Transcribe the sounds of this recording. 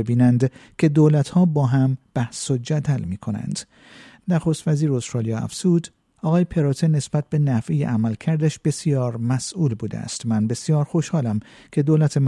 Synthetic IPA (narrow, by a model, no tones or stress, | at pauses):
ebiːnænd̪kʰe̞d̪oːlæt̪hɒːbɒːɦæmb̥æhsod͡ʒæd̪ælmiːkʰo̞næ̰nd̪̥ | næxo̞st̪væziːɾost̪ɾɑːlijɒːæ̰fz̥uːd̪ | ɒːɣɒːjepʰe̞ɾoːt̪ʰene̞sb̥æt̪̚be̞næfʔijḛʔæmælcʰæɾd̪æʃb̥e̞sijɒːɾmæsʔuːlbuːd̪ḛæ̰st̪mænbe̞sjɒːɾxo̞ʃhɒːlæm | kʰe̞d̪oːlæt̪ʰem